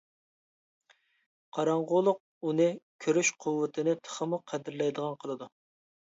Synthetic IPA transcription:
qʰɑɾɑɴʁʊlˠʊq̚unɨkʲʰøɾyʃqʰʊwːɨt̪ʰɪnɪt̪ʰə̥χəmuqʰɛd̪ɪɾlɛjd̪əʁɑnqʰəlˠɨd̪u

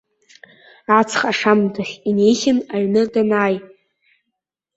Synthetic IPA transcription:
at͡sʰχaʂamtʰaχʲinejsʲɪnaɥnɨdanaːj

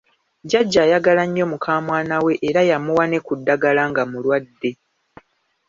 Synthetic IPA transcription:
ɟaɟːaːjaɡalaɲːo̞mukʰaːmwaːnawe̞ʔeɾajamuwane̞kudːaɡalaŋɡamulwadːe̞

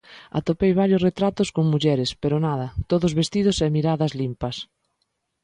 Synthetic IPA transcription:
a̰t̪opejβ̞aɾjʊsret̪ɾat̪ʊskoŋmuʎɛɾɪspeɾʊnaðɐt̪oðʊzβest̪iðʊsɛmiɾaðɐzlimpɐs

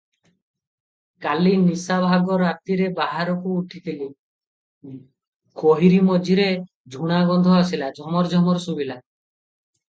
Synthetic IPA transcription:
kalinisabʱaɡɔɾat̪iɾebaɦaɾɔkuːʈʰit̪ili | koɦiɾimɔd͡ʒʱiɾe | d͡ʒʱuɽ̃aɡɔnd̪ʱɔasilad͡ʒʱɔmɔɾd͡ʒʱɔmɔɾsubila

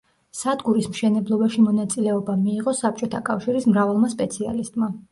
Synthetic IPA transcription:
sad̪ɡuɾismʃɛnɛblˠɔbaʃimɔnat̪sʼilɛɔbamiːʁɔsap̚ʰt͡ʃʼɔt̪ʰakʼafʃiɾismɾavalˠmaspʼɛt̪sʰia̰list̪ʼma

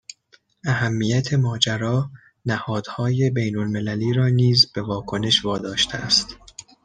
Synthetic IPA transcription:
ʔæhæmːijæt̪ʰe̞mɒːd͡ʒæɾɒː | næhɒːd̪̥hɒːje̞bejnolme̞læliːɾɒːniːzb̥e̞vɒːkʰo̞ne̞ʃvɒːd̪ɒːʃt̪ʰeæst̪

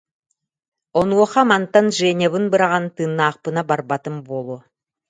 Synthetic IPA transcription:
onuwoχɑmant̪anʒenʲeβɯnbɯɾɑʁɑnt̪ɯnːɑːq̚pɯnabaɾbat̪ɯmbolˠo

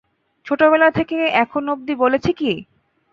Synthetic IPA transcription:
t͡ɕʰoʈobelat̪ʰekeɛkʰonob̚d̪ibolet͡ɕʰeki

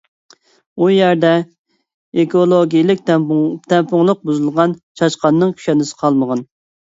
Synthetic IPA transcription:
ujæɾd̪ɛ | ekolˠoɡʲijlɪk̪̚ʲt̪ʰɛmpʊŋlˠəq̚buzɨlˠʁɑnt͡ʃʰɑʃqɑnːɨŋkʲʰy̥ʃɛnɪsɨ̥qʰɑlˠməʁɑn

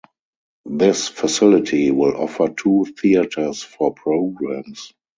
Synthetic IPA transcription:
ðɪsfasɪlɪtʰiwɪlɔ̰fə˞tʰuːθiətʰə˞sfɔpʰɹoʊɡɹãms

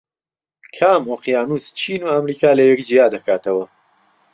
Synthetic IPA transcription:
kʰaːmoːqjaːnuːst͡ʃʰiːnuːɐmɾiːkaːlɐjɛkd͡ʒijaːd̪ɐkaːt̪ɐwɐ

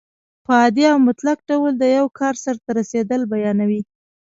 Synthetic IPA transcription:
pəɑd̪iawmʊt̪lak̚ɖawəld̪əjawkʰɑɾsaɾt̪aɾased̪əlbajɑnawi

